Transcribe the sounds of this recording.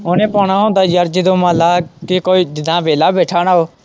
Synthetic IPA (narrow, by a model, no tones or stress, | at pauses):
oːnẽːpoːnaːõːd̪aːjaːɾd͡ʒɪd̪õːmãːlaːkikoːiːd͡ʒɪd̪ãːʋeːlaːbeːʈʰaːɽ̃aːoː